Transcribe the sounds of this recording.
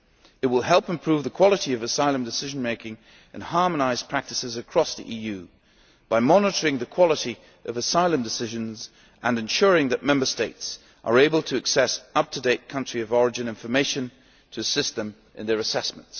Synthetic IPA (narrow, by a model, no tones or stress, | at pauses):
ɨt̚wəlˠɦɛlˠpɨ̃mpʰɹ̥ʉvðɨkʰw̥ɑlˠəɾiʌvɨsaɪlˠə̃mdɨsɪʒn̩meɪkɪ̃ŋ | ɨ̰̃nhɑɹmənaɪz̥pʰɹ̥æk̚tɨsɨzɨkʰɹ̥ɔsðḭʔijʉ | b̥aɪmɑnəɾə˞ɪ̃ŋðɨkʰw̥ɑlˠəɾi | ʔʌvɨsaɪlˠə̃mdɨsɪʒɨ̃nz | ʔɨ̃nɨ̃nʃʊɹɪ̃ŋðɨt̚mɛ̃mbə˞steɪts | ʔə̰˞eɪbəlˠtʰɨɨksɛsʌp̚tʰɨdeɪt̚kʰʌ̃nt͡ʃɹ̥iʌvɔɹɨd͡ʒɨ̃nɪ̃ɱfə˞meɪʃɨ̃n | tʰɨːsɪst̪ðɨ̃m | ʔɨ̃nðə˞ɨsɛsmə̃nts